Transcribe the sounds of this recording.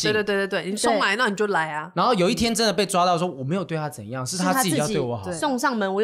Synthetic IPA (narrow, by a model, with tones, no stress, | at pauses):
t̪t̪we˧t̪e˥˧t̪e˥˩˨ni˨˩so˥ŋla˧˦ɪ˦na˥˩ni˨˩t͡ɕjo˥˩ʊla˨˧˦ɪɐ˦na˧˥nxo˥˩ʊjo˨˩ʊi˥t̪ʰjɛ˥nʈ͡ʂə˦˥nd̪ə˨˩p̬e˥˩ɪʈ͡ʂwa˥t̪ɑ˥˩ʊswɔ˥wɔ˨˩me˧˥jo˨˩t̪we˥˩t̪ʰa˥t͡sə̰˨˩n˦jɑ˥˨ŋʂɻ̩˥˩t̪ʰa˥t͡ɕwe˥˨˩ɪwɔ˧˥xɑ˨˦˥sɔ˥˧ŋʂɑ˥˨ŋmə˧˦nwɔ˨˦